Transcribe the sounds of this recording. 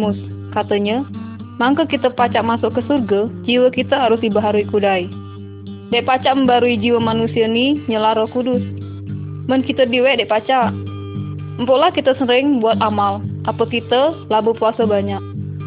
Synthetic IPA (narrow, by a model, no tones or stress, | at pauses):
mʊskat̪əɲəmaŋkəkit̪əpat͡ʃaʔmasɔʔkːəsurɡad͡ʒiwəkit̪əɦaɾʊsdibaɦaɾuikudai | dɛʔpat͡ʃaʔməmbaɾuid͡ʒiwəmanusianiɲəlaɾokudʊs | mənkit̪ədiwɛʔdɛʔpat͡ʃaʔ | əmpɔʔlahkit̪əsəɾɪŋbuat̪̚amalʔapəkit̪əlabəpuasəbaɲak̚